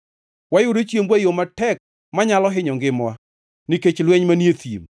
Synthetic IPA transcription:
wajʊɾet͡ʃjemwajomatɛk̚ | maɲalɔɦɪɲɔŋɡɪmwa | niket͡ʃlwɛɲmanjet̪jḭm

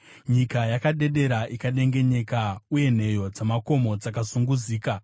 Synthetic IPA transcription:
ɲikajakaɗe̞ɗe̞ɾaʔikaɗe̞ŋɡe̞ɲekauje̞n̤e̞jo̞d͡zamako̞mo̞d͡zakasuŋɡuziːka

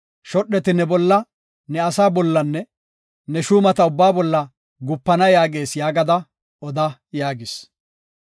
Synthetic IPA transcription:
ʃɔɗːɛt̪ɪnɛbɔlːɐ | nɛɐsaːbɔlːɐnːɛ | nɛʃuːmɐt̪ɐʊbːaːbɔlːɐ | ɡʊpːɐnɐjaːɡe̞ːsjaːɡɐd̪ɐ | ɔd̪ɐjaːɡɪs

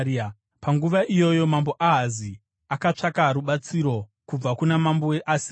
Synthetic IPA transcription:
paŋɡuʋaʔijo̞jo̞mambo̞ʔaɦazi | akat͡ʂakaɾuɓat͡siɾo̞ | kub͡vakunamamboeʔasi̥

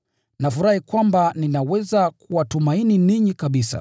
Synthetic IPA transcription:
nafuɾahikwambaninawɛzakuwatumaininiɲikaɓisa̰

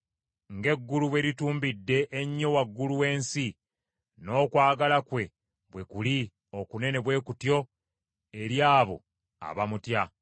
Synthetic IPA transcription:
ŋɡe̞ɡːuluβwe̞ɾituːmbidːe̞ʔːɲːo̞waɡːuluwe̞ːnsi | no̞ːkwaːɡalakwe̞ | βwe̞kuli | o̞kune̞ne̞βwe̞ːkutjo̞ | e̞ɾjaːβo̞̰ | a̰βamutja

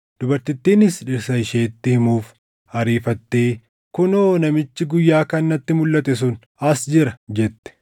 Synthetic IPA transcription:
d̪̥ʊbɐɾt̪ɪt̪ːiːnɪsᶑɪɾsɐɪʃeːt̪ːɪhɪmuːf | hɐɾiːfɐt̪ːeː | kʊnoːnɐmɪt͡ʃːɪɡʊjːaːkɐnːɐt̪ːɪmʊlːɐt̪ɛs̬ʊn | ɐsd͡ʒɪɾɐd͡ʒɛt̪ːɛ̥

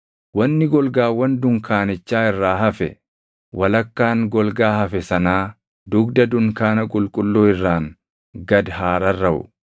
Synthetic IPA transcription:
wɐnːɪɡɔlɡaːwɐnd̪ʊŋkʰaːnɪt͡ʃːaːɪrːaːɦɐfɛ̰ | wɐlɐkːaːŋɡɔlɡaːhɐfɛsɐnaː | d̪ʊɡd̪ɐd̪ʊŋkaːnɐkʼʊlkʼʊlːoːɪrːaːŋ | ɡɐd̪ɦaːɾɐrːɐʔʊ̰

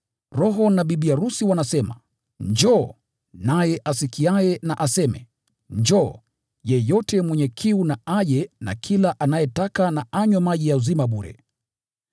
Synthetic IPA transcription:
ɾɔɦɔnaɓiɓiaɾusiwanasɛma̰ | ɲd͡ʒɔ | najɛʔasikiajɛnaʔasɛmɛ̰ | ɲd͡ʒɔ | jɛjɔtɛmwɛɲɛkʰiunaaʄɛna̰kʰilaʔanajɛtakanaʔaɲwamaʄijauzimaɓuɾɛ̰

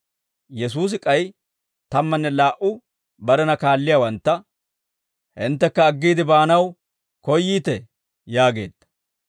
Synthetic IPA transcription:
jɛs̬uːs̬ɪkʼɐj | t̪ɐmːɐnːɛlaːʔʊ | bɐɾɛnɐkaːlːɪjawɐnt̪ːɐ | hɪnt̪ːɛkːɐːɡːiːd̪ɪbaːnɐw | kɔjːiːt̪ɛ | jaːɡe̞ːd̪̥ːɐ̥

